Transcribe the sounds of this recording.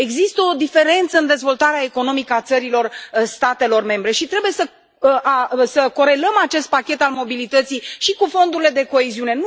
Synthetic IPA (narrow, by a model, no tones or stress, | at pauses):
e̞ɡzist̪əod̪ife̞ɾe̞nt̪səɨnd̪e̞zvo̞lt̪aɾeaeko̞no̞mikəat̪səɾilo̞rst̪at̪e̞lo̞rme̞mbɾe̞ʃit̪ɾe̞buje̞sə | əʔasəko̞ɾe̞ləmat͡ʃe̞st̪̚pakʲe̞t̪almo̞bilit̪ət̪sijʃikufo̞nd̪uɾile̞d̪e̞ko̞eziune̞n